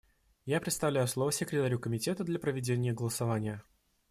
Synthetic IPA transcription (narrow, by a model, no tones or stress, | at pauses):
japɾʲɪt̪st̪ɐvlʲæjʊslˠo̞vəsʲɪkɾʲɪt̪aɾʲukəmʲɪtʲe̞t̪əd̪lʲɐpɾəvʲɪdʲenʲɪjəɡəlˠəsɐvanʲɪjə